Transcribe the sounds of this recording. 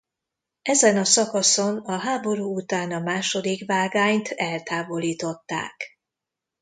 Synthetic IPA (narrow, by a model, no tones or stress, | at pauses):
ɛzɛnɒsɒkɒso̞nɒɦaːbo̞ɾuːut̪aːnɒmaːʃo̞d̪ikvaːɡaːɲt̪ʰɛlt̪aːvo̞liːt̪o̞t̪ːa̰ːk